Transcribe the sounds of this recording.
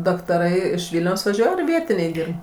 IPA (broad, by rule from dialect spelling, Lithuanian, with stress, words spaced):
dɐktɐˈrɐɪ ɪʃ ˈʋʲɪlʲnʲɛʊs ʋɐˈʒʲuɔj ɐr ˈʋʲiɛtʲɪnʲɛɪ ˈdʲiːrp